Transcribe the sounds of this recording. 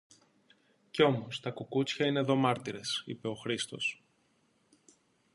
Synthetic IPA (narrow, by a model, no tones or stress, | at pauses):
ceo̞mo̞st̪ɐkokut͡sçɐine̞ðo̞mɐɾt̪iɾe̞sḭpe̞o̞xɾist̪o̞̰s